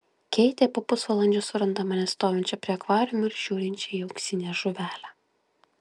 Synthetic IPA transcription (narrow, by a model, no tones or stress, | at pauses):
kʲɛɪt̪ʲeːpoːpʊsʋɐlˠɐnʲd͡ʒʲoːsʊɾɐnd̪ɐmɐnʲɛst̪oːjʲɛnʲt͡ʃʲɛpʲɾʲiɛɐkʋɑːɾʲʊmʲʊɪɾʒ̥ʲuːɾʲɪnʲt͡ʃʲɛiɛʊksʲɪnʲɛʒʊʋʲæːlʲæ